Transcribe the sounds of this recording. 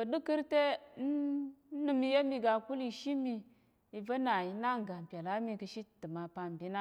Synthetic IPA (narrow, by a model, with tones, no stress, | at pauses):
bə˨du˦ki˦ɾte˦n˦nu˦˨mi˦je˦mi˨ɡa˨ku˦li˨ʃi˦mi˨ | i˨va˦na˨ji˨na˦ŋ˨ɡa˨m˨pʲa˨la˦mi˨kə˨ʃi˦˨tə˨ma˨pa˨m˨bi˦na˦